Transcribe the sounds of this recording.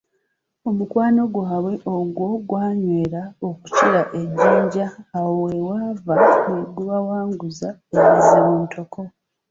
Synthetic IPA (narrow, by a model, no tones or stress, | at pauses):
o̞mukwaːno̞ɡwaːβwe̞ʔoɡwo̞ɡwaːɲwe̞ːɾao̞ku̥ciɾaʔeɟːiːɲɟaːwowewaːvamweɡuβawaːŋɡuzaeβizimuːntʰo̞ko̞